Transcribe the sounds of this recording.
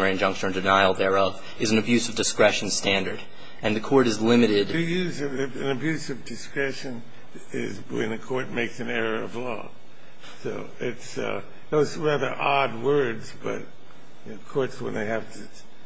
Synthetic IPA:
ə˞ɪɨ̃nd͡ʒʌ̃ŋkʃt͡ʃə̃˞ɨ̃ndɨnaɪl̩ˠðɛ˞ʌv | ɨz̃n̩ɨbjʉsʌvdɨskɹɛʃn̩stæ̃ndə˞ɾ | ɨ̃nðɨkʰɔɹɾɨzlɪ̃mɨɾɪdɨjʉzɨɨ̃nɨbjʉsʌvdɨskɹɛʃɨ̃n | ɪ̰zwɨ̰̃nðɨkʰɔɹt̚meɪksɨ̃nɛɹə˞ʌ̰vlɔ̰ | soʊ | ɪts | ðoʊzɹæðə˞ʔɑd̚wɜ˞dzb̥ʌ̰t̚ | jokʰɔɹtswə̰̃nðeɪɨftʰɨ

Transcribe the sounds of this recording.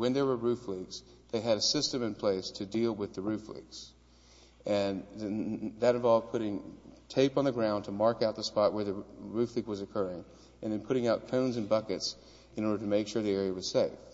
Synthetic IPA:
wɨ̃nðə˞wə˞ɹʉfliɡz̥ | ðeɪɨɾɨsɪstɨ̃mɨ̃npʰl̥eɪstʰɨdilˠwɨðɨɹʉflḭɡz̥ | ɨ̃n | ðɨɾɨ̃nvɑlˠv̥̚pʰʊɾɪ̃ŋtʰeɪpn̩ðɨɡɹãʊ̃ntʰəmɑɹkaʊt̪̚ðəspɑt̚wə˞ðɨɹʉfliɡ̚wʌzɨkʰɜ˞ɪ̃ŋ | ʔɨ̃nðɨ̃npʰʊɾɪ̃ŋaʊt̚kʰõʊ̃nzɨ̃nbʌkɨts | ɨ̃ñɔɹɾə˞ɾɨmeɪkʃʊɹðiɛɹiɨwʌz̥seɪf

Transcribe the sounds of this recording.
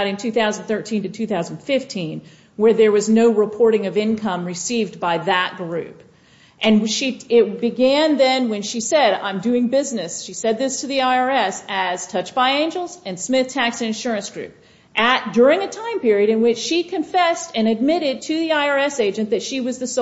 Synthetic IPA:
ɾɨ̃ntʰʉθaʊzn̩θɜ˞tʰĩntɨtʰʉθaʊz̃n̩dfɪftʰĩn | wə˞ðə˞wʌznoʊɹɨpʰɔɹɾɪ̃ŋʌvɪ̃nkʰʌ̃mɹɨsivbaɪðət̚ɡ̥ɹʉ̰p | ʔɨ̃nʃiɪt̚b̥ɨɡæ̃nðɨ̃nwɨ̃nʃisɛɾã̰ɪ̃mdʉɪ̃ŋbɪznɨsʃisɛd̪̚ðɪstʰɨðiaɪɑɹɛsɨz̥tʰʌt͡ʃb̥aɪẽɪ̃nd͡ʒl̩ˠzɨ̃nsmɪθtʰæksɨ̃nɨ̃nʃʊɹɨ̃nsɡ̥ɹʉ̰p̚ | ʔɨt̚d̥ʊɹɪ̃ŋɨtʰãɪ̃mpɪɹiɨɾɨ̃nwɪt͡ʃʃikʰɨ̃ɱfɛstɨ̃nɨd̚mɪɾɪd̚tʰɨðiaɪɑɹɛseɪd͡ʒɨ̃nðɨtʃiwʌzðɨs

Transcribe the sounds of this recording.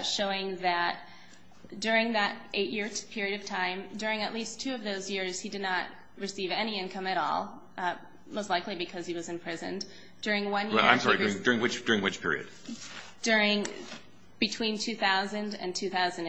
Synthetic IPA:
ʃoʊɪ̃ŋðɨt̚ | d̥ʊɹɪ̃ŋðɨɾʔeɪʔjɪɹpʰɪɹiɨɾʌv̥tʰãɪ̃mdʊɹɪ̃ŋɨʔˡlistʰʉʌvðoʊzjɪɹz̥hidɨdⁿnət̚ | ɹɨsivɛñiɪ̃nkʰʌ̃mɨɾɔ̰lˠ | moʊstˡlaɪklibɨkʰʌz̥iwʌzɨ̃npʰɹ̥ɪzɨ̰̃n | d̥ʊɹɪ̃ŋwʌ̃njɛãɪ̃msɔɹɹidʊɹɪ̃ŋdʊɹɪ̃ŋwɨt͡ʃd̥ʊɹɪ̃ŋwɨt͡ʃpʰɪ̰ɹḭɨ̰d̥̚ | d̥ʊɹɪ̃ŋ | b̥ɨtʰw̥ĩntʰʉθaʊzɨ̃ndɨ̰̃ntʰʉθaʊz̃n̩

